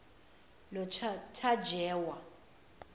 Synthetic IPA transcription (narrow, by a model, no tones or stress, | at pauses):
lɔt͡ʃʰtʰad͡ʒʱɛːwa